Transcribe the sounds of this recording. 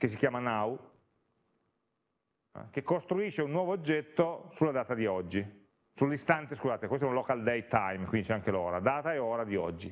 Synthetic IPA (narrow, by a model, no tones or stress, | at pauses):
kes̬ːikjaːmanau | ɛ̰k̟ekːost̪ɾuiʃːeunːwɔːvoːd͡ʒːɛt̪ːosulːad̪aːt̪ad̪iɔd͡ʒːi | sulːist̪ant̪eskuzaːt̪ekwest̪ɛunaloːkald̪ejt̪ajmkʷwindit͡ʃɛaŋk̟elɔ̰ːɾad̪aːt̪aeoːɾad̪iɔ̰d͡ʒːi